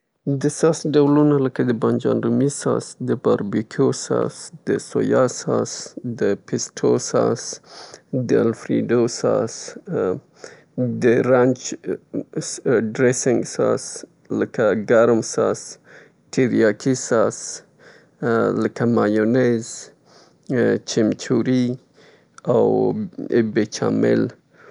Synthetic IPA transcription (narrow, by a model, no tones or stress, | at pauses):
d̪əsɑsɖawlunaləkad̪əband͡ʒɑ̰ndumisɑ̰sd̪əbɑɾbikʰosɑ̰sd̪əso̰jɑsɑ̰sd̪əpʰɪsʈʰosɑ̰s | d̪əalfɾḭɖosɑ̰s | d̪əɾant͡ʃ | ɖɾesɪŋɡsa̰s | ləkaɡaɾmsas | ʈʰiɾjakʰisas | ləkamajonez | t͡ʃɪmt͡ʃuɾi | awebet͡ʃa̰mḛl